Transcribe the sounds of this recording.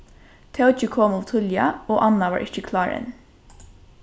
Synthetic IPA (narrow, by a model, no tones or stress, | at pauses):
t̪ʰɛʊt͡ʃəkʰɔmʊʋt̪ʰʊljɑ̰oːʔɑnɑʋɑːɹʔɪçəkʰlɑːɹɛ̰n